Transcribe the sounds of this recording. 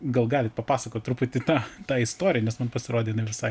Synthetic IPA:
ɡɐlˠɡɑːlʲɪt̪pɐpɑːsɐkoːt̪ʲt̪ɾuːpʊt̪ʲɪt̪ɑːt̪ɑːɪst̪oːɾʲɪjɛnʲɛsmɐnpɐsʲɪɾoːdʲeːjɪnɐɪʋʲɪsɐɪ

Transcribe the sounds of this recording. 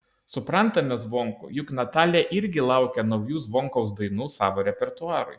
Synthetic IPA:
sʊpɾɐnt̪ɐmʲɛzʋɔŋkʊ̰jʊknɐt̪ɑːlʲɛʔɪɾʲɡʲɪlˠɐˑʊkʲɛnɒʊjuːzʋɔŋkɐʊs̬d̪ɐɪnuːsɑːʋoːɾʲɛpʲɛɾt̪ʊɑːɾʊ̰ɪ

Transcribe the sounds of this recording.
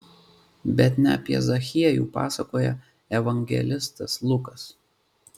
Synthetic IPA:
bʲɛt̪nʲɛɐ̰pʲiɛ̰zɐxʲiɛjṵːpɑ̰ːsɐkoːjɛ̰ | ɛʋɐŋʲɡʲɛ̰lʲɪst̪ɐslˠʊkɐs

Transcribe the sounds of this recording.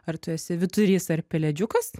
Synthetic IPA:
ɐɾt̪ʊɛsʲɪʋʲɪt̪ʊɾʲiːsɐɾpʲɛlʲɛd͡ʒʲʊkɐs

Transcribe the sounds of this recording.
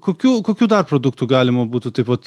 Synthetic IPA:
kʰokʰʲukokʰʲud̪aɾpɾod̪uk̚t̪ʰuɡaːlʲimobut̪ʰut̪ʰipɔt̪

